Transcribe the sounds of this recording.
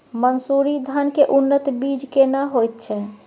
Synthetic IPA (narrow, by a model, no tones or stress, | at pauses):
mənsuɾid̪ʱənkeʔunːət̪bid͡ʒkenaɦojt̪̚t͡ʃʰɛ